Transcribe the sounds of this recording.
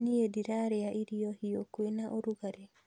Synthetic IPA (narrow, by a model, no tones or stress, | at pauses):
niediɾaɾeaʔiɾiɔhiokwenaʔoɾuɣaɾe